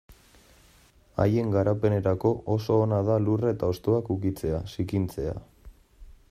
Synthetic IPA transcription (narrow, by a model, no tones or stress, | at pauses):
a̰je̞ŋɡaɾape̞ne̞ɾako̞ʔoso̞ːnað̞aluret̪ao̞st̪oakukit͡se̞asikint͡se̞a̰